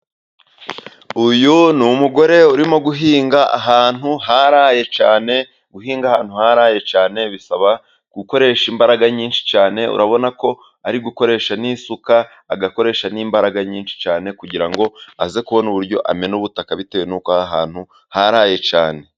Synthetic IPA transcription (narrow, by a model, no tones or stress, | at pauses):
ujunumuɡo̞ɾe̞uɾimo̞ɡuɦiːŋɡaaɦaːn̥huɦaɾaːje̞t͡ʃaːne̞ | ɡuɦiːŋɡahaːn̥huhaɾaːje̞t͡ʃaːne̞βisaβa | ɡ̥uko̞ɾe̞ʃimbaɾaɡaɲiːnʃi̥t͡ʃaːne̞ṵɾaβo̞nako̞ | aɾiɡuko̞ɾe̞ːʃaniːsukaː | ɡako̞ɾe̞ːʃaniːmbaɾaɡaɲiːnʃi̥t͡ʃaːne̞kuɟiɾaŋɡo̞aze̞kuβo̞nuβuɾɟo̞̰ʔa̰me̞nuβutakaβite̞wenukohaɦaːn̥hu | haɾaːje̞t͡ʃa̰ːne̞